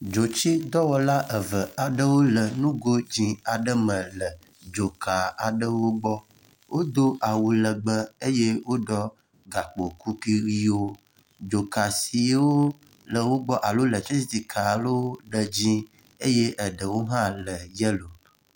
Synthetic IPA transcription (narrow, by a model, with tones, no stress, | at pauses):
d͡ʒo˨t͡ʃi˦d̪ɔ˦wɔ˨la˦ʔə˨və˨a˨ɖə˦wo˦lə˨nũ˦ɡo˦d͡ʑĩ˨a˨ɖə˦mə̃˨lə˨ | d͡ʒo˨ka˨a˨ɖə˦wo˦ɡ͡bɔ˦ | wʔo˦d̪o˦ʔa˨wu˨lə˨ɡ͡bə˦e˦je˦wo˦ɖɔ˦ | ɡa˨k͡po˨ku˦ki˦wi˦wo˦ | d͡ʒo˨ka˨si˨˦wo˦ | lə˨wo˦ɡ͡bɔ˦ʔa˨lo˦lə˨t͡ʃi˦t̪i˦t̪i˨kʰa˨lo˦ɖə˨d͡ʑĩ˦ | e˦je˦ʔə˨ɖə˨wo˦ɦã˦lə˨jə˦lo˨